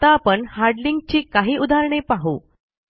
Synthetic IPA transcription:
t̪aːpəɳhaɾɖliŋɡ̚t͡ɕiːkaɦiːʔud̪ʱaɾɳ̃epaɦu

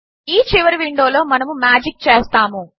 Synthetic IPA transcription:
iːt͡ʃiʋɐɾʋiɳɖo̞ːlo̞ːmɐnɐmumaːd͡ʒik̚t͡ʃeːst̪aːmu

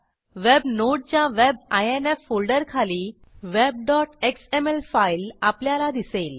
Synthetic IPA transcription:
ʋebnoʈ̚t͡ɕjaʋebajenefːolɖəɾkʰaliː | ʋeb̚ɖɔʈeksemelfailapljalad̪iseːl

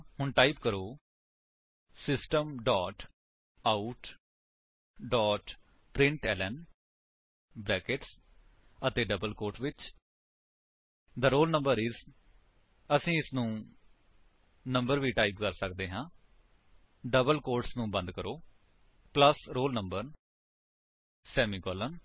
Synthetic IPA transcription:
hʊɳʈaːipkəɾoː | sɪsʈəmɖɔːʈ | aːuʈ | ɖɔːʈ | pɾɪ̃ɳʈɛːlɛːm | bɾɛːkeʈs | ət̪eːɖəbəlkoːɾʈʋɪt͡ʃ | d̪əɾoːlnə̃mbəɾɪz | əsĩːɪsnũː | nəmbəɾʋiːʈaːipkəɾsək̚d̪eːɦãː | ɖəbəlkoːɾʈsnũːbə̃nd̪kəɾʔoː | pləsɾoːlnəmbəɾ | sɛːmiːkɔːlən

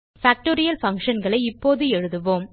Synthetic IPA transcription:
faːk̚ʈoːɾɪjɐlfɐŋkʂɐnɡɐɭɐɪɪpːoːðɯɛɻɯðɯʋoːm

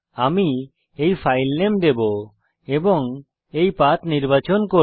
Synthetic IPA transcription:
ami | ejpʰajlnemd̪ebo | ebɔŋ | ejpat̪niɾbat͡ʃɔnko

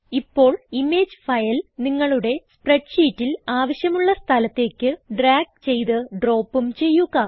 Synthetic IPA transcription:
ipːo̞ːɭime̞ːd͡ʑɨfɐjɐlniŋːɐɭuɽe̞spreʈɕiːtːilaːʋɐɕjɐmuɭːɐst̪ʰɐlɐt̪ːe̞ːkʲːɨɖraːɡ̚t͡ɕe̞jt̪ɨɖro̞ːpːumt͡ɕe̞jːuɣɐ

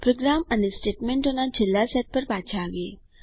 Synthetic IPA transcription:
pɾoɡɾamanesʈeʈmeɳʈonad͡ʑilːasɛt̪̚pəɾpat͡ɕʰaʋe

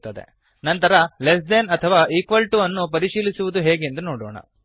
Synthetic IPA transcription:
t̪ːɐd̪e̞̰ | nɐnt̪ɐɾɐlesd̪enɐt̪ʰɐʋaːʔikʋɐlʈuɐnːupɐɾiʃiːlisuʋud̪uɦeːɡe̞nd̪unoːɽɔ̰ːɳɐ̰

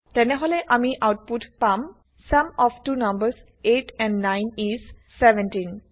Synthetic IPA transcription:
ʈɛneɦɔleʔamiʔaʊʈ̚pʊʈpãm | sɐ̃mɔʋʈuːnʌ̃mbəɾs | eːʈɛ̃ɳɖnãɪ̃nizsɛʋɛ̃nʈĩn

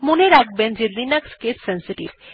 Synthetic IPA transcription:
moneɾak̚bend͡ʑed̪inakskessɛnsiʈḭb

